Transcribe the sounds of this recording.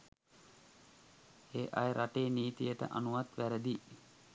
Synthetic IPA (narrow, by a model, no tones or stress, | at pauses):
eːʔajəɾʔaʈeːniːt̪ijəʈə̰ʔanuʋat̪ʋæɾəd̪i